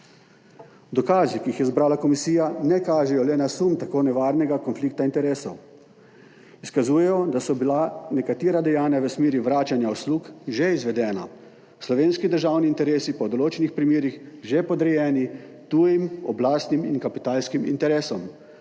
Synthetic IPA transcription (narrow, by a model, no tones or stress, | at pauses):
d̪ɔkaːzikiixjɛzbɾaːlakɔmisiːjanɛkaːʒɛjɔlɛnasumt̪akoːnɛʋaːɾnɛɡakɔnfliːk̚t̪aint̪ɛɾeːsɔw | iskazuːjɛjɔd̪asɔbilanɛkat̪iːɾad̪ɛjaːnjaʋəsmeːɾiʋɾaːt͡ʃanjaɔsluːkʒeizʋɛd̪ɛːna̰ | slɔʋeːnskid̪əɾʒaːwniːnt̪ɛɾeːsipɔd̪ɔloːt͡ʃɛnixpɾimeːɾixʒepɔd̪ɾɛjɛːnit̪uːjimɔblaːst̪niminkapit̪aːlskimḭnt̪ɛɾeːsɔm